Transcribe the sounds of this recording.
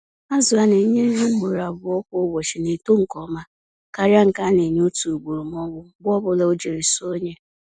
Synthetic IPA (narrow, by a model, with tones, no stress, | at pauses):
a˦zʊ˨a˨ne˨ɲe˦ɦe˦ɡ͡bo˨ɾa˨bʊ˨ɔ˦kʷo˦o˦wɔ˨ʃɪ˨ne˨to˦ŋ̩˨kɔ˦ma˦ | ka˦ɾa˦ŋ̩˨ka˦ne˨ɲ˦o˦tu˨ɡ͡bu˨ɾu˨m˦ɔ˦ŋʷʊ˦ɡʷʊ˦ɔ˦bʊ˦le˦o˦d͡ʒe˨ɾi˨so˦ɲe˦